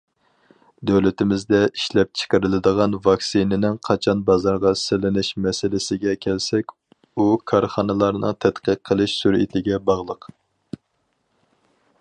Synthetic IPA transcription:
d̪øwlɪt̪ɪmɪzd̪ɛiʃlɛp̚t͡ʃʰə̥qəɾɨlˠɪd̪əʁɑnvɑksinɪnɪŋqʰɑt͡ʃʰɑnbɑzɑɾʁɑsɪlɪnɪʃmɛsɪlɪsɪɡʲɛkʲʰɛlsɛkʲ | ukʰɑɾχɑnɨlˠɑɾnɨ̰ŋt̪ʰɛt̪qəqʰːəlˠɨʃsuɾḭt̪ʰɪɡʲɛbɑʁlˠəq

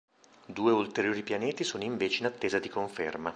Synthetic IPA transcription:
d̪uːeult̪eɾjoːɾipjaneːt̪isoːnoiɱveːt͡ʃeinat̪ːeːzad̪ikoɱfḛrma

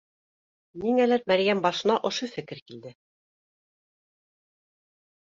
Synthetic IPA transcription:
niŋælæɾmæɾjæmbɑʃɤ̆nɑʔŏʃofɘ̆kɘɾkild̪ɘ

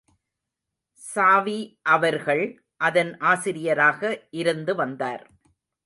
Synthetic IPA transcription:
saːʋiʔɐʋɐɾɣɐɭ | ʔɐðɐnʔaːsɪɾɪjɐɾaːɣɐʔɪɾɯnd̪ɯʋɐnd̪aːɾ

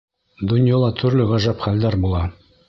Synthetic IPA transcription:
d̪ŏnjɑlˠɑt̪ʰɵ̆ɾlɘʁɑʒæpχæld̪æɾbulˠɑ

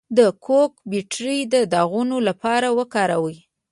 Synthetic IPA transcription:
d̪əkʰokbiʈɾid̪əd̪ɑɣunolapɑɾawəkɑɾawəj

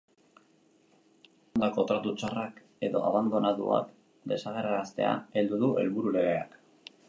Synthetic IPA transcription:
ond̪ako̞t̪ɾat̪ut͡ʃarak | e̞ðo̞̰a̰βand̪o̞naðṵa̰k | d̪e̞saɣ̞e̞ɾaɾast̪e̞a̰e̞ld̪uðue̞lβuɾule̞ɣe̞a̰k

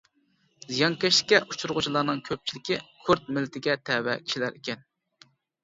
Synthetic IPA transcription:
zijɑŋkʲɛʃlɪ̥kʲːɛʔut͡ʃʰuɾʁʊt͡ʃʰilˠɑɾnɨŋkʲʰøp̚t͡ʃʰilɪkʲikʰuɾt̪̚mɪlːɪt̪ʰɪɡʲɛt̪ʰɛwɛ̰kʲʰi̥ʃilæɾʔekʲɛn

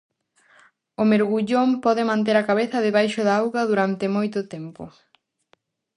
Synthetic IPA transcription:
ʊmeɾɣuʎompɔðɪmãnt̪̬eɾɐkaβeθɐðɪβajʃʊðaawɣɐðuɾant̪ɪmojt̪ʊt̪ɛmpʊ̰

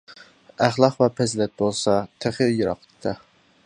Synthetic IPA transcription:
æχlˠɑqvɑpʰɛzlɛt̪̚bolˠsɑt̪ʰeχijɑɾɑ̰qt̪t̪ʰːɑ

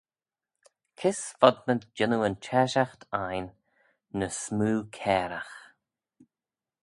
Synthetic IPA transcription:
kʰɪsfɔd̪mənt̪d͡ʒɪnuənt͡ʃʰɛʃaxt̪ʰajnː | əsmuːkʰɛːɾax

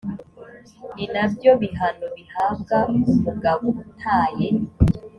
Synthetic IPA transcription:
ninabjo̞βiɦanoβihaːb̚ɡamuɡaβoun̥ʰaːje

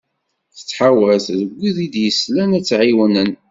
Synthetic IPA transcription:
θə̥t͡sːħawæθðəɡʷːiðid̪jəslænæt͡sːʕiwnən

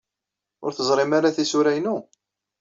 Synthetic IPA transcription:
ʊ̰ɾθəzˤɾˤɪmaɾaθisuɾæjnu

